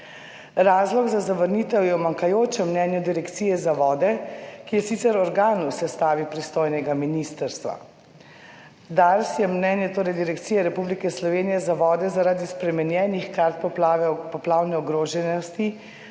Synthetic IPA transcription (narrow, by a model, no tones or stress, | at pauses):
ɾaːzlɔɡzazaʋəɾniːt̪ɛwjɛwmaŋkajoːt͡ʃɛmnɛnjɛd̪iɾɛkt̪sijɛzaʋɔːd̪ɛkijɛsit̪sɛɾɔɾɡaːnuwsɛst̪aːʋipɾist̪oːjnɛɡaminist̪əɾst̪ʋa̰ | d̪aɾsjɛmnɛnjɛt̪oːɾɛjd̪iɾɛkt̪siːjɛɾɛpublikɛslɔʋeːnijɛzaʋɔːd̪ɛzaɾaːd̪ispɾɛmɛnjɛːnixkaɾt̪̚pɔpɔplaːwnɛɔɡɾoːʒɛnɔst̪i